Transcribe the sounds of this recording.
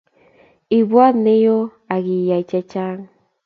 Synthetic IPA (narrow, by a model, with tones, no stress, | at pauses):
i˨βwa˦ne˦jo˦ | a˨ɣi˨ja˨i˨t͡ʃe˧t͡ʃa˦ŋ